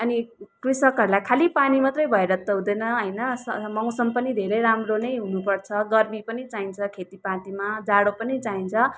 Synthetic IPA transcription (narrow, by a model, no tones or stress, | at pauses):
ʌnikrisʌkɦʌɾulajkʰalipanimʌt̪rʌjbʱʌeɾʌt̪ːʌɦũd̪ʌjnʌɦʌjnʌsʌmʌw̃sʌmpʌnid̪ʱeɾʌjɾamronʌjɦunupʌrt͡sʰʌɡʌrmipʌnit͡saint͡sʰʌkʰet̪ipãʈ̪imad͡zaɽopʌnit͡saint͡sʰʌ